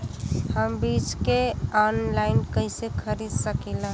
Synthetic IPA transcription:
həmbit͡ʃkeɔnlaɪnkəsekʰəɾid̪səkɛlã

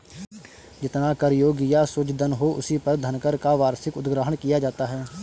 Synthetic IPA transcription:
d͡ʒɪt̪nakɐɾjoːɡjasʊt͡ʃd̪ənɦoʊsipɐɾd̪ʱɐnkəɾkaʋaːɾsɪkʊd̪ɡɾaːɦəɳkijad͡ʒaːt̪aɦɛː

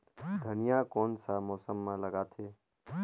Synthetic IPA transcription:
d̪ʱənijakonsamoːsəmːãləɡat̪ʰe

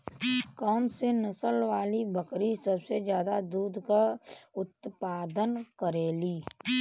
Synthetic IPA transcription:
kɔːnsenəsəlʋaːlibʱəkɾisəbsed͡ʒjaːd̪ad̪uːd̪ʱkaʊt̪paːd̪ənkəɾeːliː

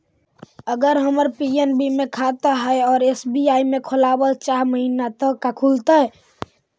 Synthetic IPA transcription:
əɡəɾɦəməɾpienbimẽkʰat̪aɦɛeɔːɾesbiaimekʰolabəlt͡ʃaɾməɦinat̪əkːakʰult̪aɦɛ

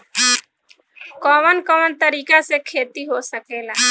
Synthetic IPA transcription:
kɔːʋənkɔːʋənt̪əɾiːkasekʰeːt̪iɦosəkeːlaː

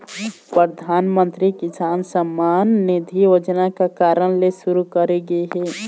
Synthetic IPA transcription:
pɾəd̪ʱaːnmə̃nt̪ɾikɪsaːnsəmːaːnːid̪ʱijoːd͡ʒnakakaːɾəɽ̃lesʊɾukəɾeɡəeɦɛː

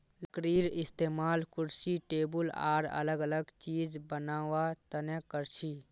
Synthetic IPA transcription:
lkɾiːɾɪst̪eːmaːlkʊɾsiʈeːbʊla̰ːɾə̰ləɡələɡt͡ʃiːd͡ʒbənaːwat̪ənekəɾt͡ʃʰi

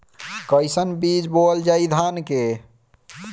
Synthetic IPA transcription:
kəjsənbid͡ʒbold͡ʒajd̪ʱanke

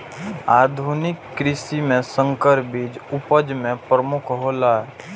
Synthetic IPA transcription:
aːd̪ʱʊnɪkːɾɪsimẽsə̃ŋkəɾbiːd͡ʒʊpəd͡ʒmẽpɾəmʊkʰɦolaɦɛ

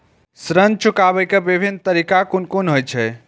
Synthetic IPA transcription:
sɾənt͡ʃukabɛjkebibʱinːt̪əɾikakunkonɦojt͡ʃʰɛ

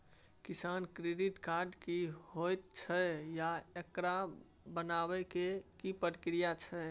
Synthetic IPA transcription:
kisankɾeɖiʈkaɾɖkiɦojt̪̚t͡ʃʰɛjaekɾa | bənabɛkekipətkɾijat͡ʃʰɛ

